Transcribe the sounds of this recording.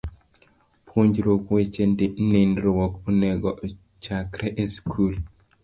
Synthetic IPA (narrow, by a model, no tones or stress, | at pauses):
pʰuɲd͡ʒɾokwet͡ʃendenendɾowɔkɔnɛɡɔʔ | t͡ʃakɾɛʔeskʰul